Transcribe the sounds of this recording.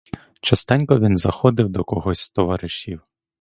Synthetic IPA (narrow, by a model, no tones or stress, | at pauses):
t͡ʃɐst̪ɛnʲkɔʋʲinzɐxɔd̪ɪwd̪ɔkɔɦɔsʲt̪ɔʋaɾɪʃʲiw